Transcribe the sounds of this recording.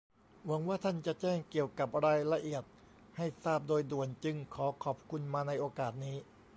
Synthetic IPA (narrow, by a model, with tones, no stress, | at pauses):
wa˩˦ŋwaː˥˩t̪ʰa˥˩nt͡ɕa˨˩ʔt͡ɕɛː˥˩ŋki˨˩əwka˨˩p̚ɾaː˧jla˧ʔi˨˩ət̪̚ | ha˥˩jsaː˥˩p̚doː˧jdu˨˩ənt͡ɕɯ˧ŋkʰɔː˩˦kʰɔː˨˩p̚kʰu˧nmaː˧na˧jʔoː˧kaː˨˩t̪̚niː˦˥